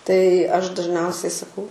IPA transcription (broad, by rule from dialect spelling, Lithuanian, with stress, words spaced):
tɐɪ ˈɐʃ dɐʒʲˈnʲɛʊsʲɛɪ sɐˈkɐʊ